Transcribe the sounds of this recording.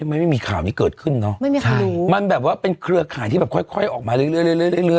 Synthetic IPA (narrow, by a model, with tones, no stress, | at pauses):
ma˥˩jma˥˩miː˧kʰaː˨˩wniː˦˩kɤː˨˩t̪̚kʰɯ˥˩nːɔ˦˥ma˥˩jmiː˧t͡ɕʰa˧˥˩uː˨˦ma˧nbɛː˨˩p̚waː˥˩pe˧nkʰɾɯ˧ɐkʰaː˨˦j̪ʰiː˥˩ɛː˨˩kʰɔ˥˩jkʰɔ˥˩jʔɔː˨˩k̚maː˧lɯ˦˥˦lɯ˥˩jljlɯ˥˩˨jlɯ˥˩˨lɯ˥˩ə˨